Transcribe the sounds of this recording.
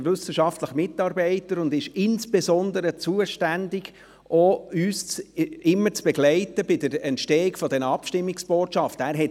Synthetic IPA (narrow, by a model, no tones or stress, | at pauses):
vʏsəʃɑftləχəmɪtːɑːɾbɛɪtəɾʊndɪʃɪnsb̥ezɔndəɾət͡suəʃtændɪɡ | ʔoyːst͡sɪmːət͡sb̥ɛɡlɛɪtəbɪdəɾɛntʃtɛːɪkfɔdɛnəɑpʃtɪmːɪksb̥oːtʃɑftəæːɾɦɛt